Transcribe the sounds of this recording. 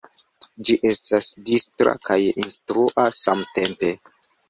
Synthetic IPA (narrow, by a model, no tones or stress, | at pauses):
d͡ʒiʔe̞stasdistɾa̰kʰajinstɾuʔasamte̞mpe̞